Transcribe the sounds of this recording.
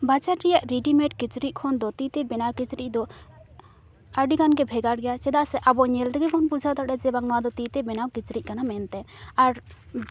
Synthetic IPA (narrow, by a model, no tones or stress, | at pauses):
bat͡ʃaɾɾɛjaʔɾiɖimɛʈkit͡ʃɾiʔ̚ˀkʰɔnd̪ɔt̪it̪ɛbɛnawkit͡ʃɾiʔ̚ˀd̪ɔ | aɖiɡanɡɛbʱɛɡaɽɡɛjat͡ʃɛd̪asɛʔabɔʔɲɛld̪ɛɡɛbɔnbud͡ʒʱat̪aʈɛd͡ʒɛbaŋnɔwad̪ɔt̪it̪ɛbɛnawkit͡ʃɾiʔ̚kanamɛnt̪ɛaɾ